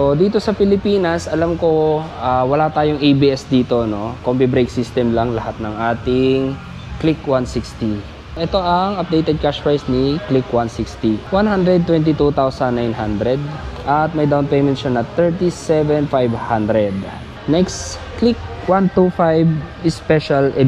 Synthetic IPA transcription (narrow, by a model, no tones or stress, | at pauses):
od̪iːt̪o̞sɐpɪlɪpiːnɐsʔɐlamko̞ʔaːwɐlat̪aːjoŋʔijbiʔɛsd̪iːt̪ono̞kompibɾejksist̪ɛmlɐŋlɐhat̪̚nɐŋʔaːt̪ɪŋ | klikwansikst̪i | ʔɛt̪o̞ʔɐŋɐp̚d̪ejt̪ɛd̪̚kaʃpajsniklikwansikst̪iwanhand̪ɾɛd̪̚t̪wɛnt̪ɪt̪ut̪awsɐnːajnɦand̪ɾɛd̪̚ʔɐt̪̚mɐjd̪awnpejmɛnt̪ʃanɐt̪ɛɹt̪isɛvɛnfajvhand̪ɾɛd̪ | nɛkst | klik̚ | want̪ufajbɪspɛʃalʔɛ